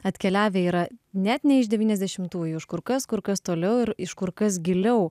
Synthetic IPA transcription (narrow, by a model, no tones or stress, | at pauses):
ɐt̪ʲkʲɛlʲæːʋʲeːiːɾɐnʲɛt̪nʲɛɪʒd̪ʲɛʋʲiːnʲɛzʲd̪ʲɛʃʲɪmt̪uːjuɪʃkʊɾkɐskʊɾkɐst̪oːlʲɛʊɪɾɪʃkʊɾkɐs̬ɡʲɪlʲɛʊ